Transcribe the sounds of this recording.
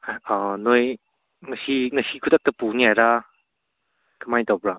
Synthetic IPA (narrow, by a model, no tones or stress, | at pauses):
anoj | mɐsinɐsikʰudak̚tɐpuniajɾa | kɯmajtawbɾa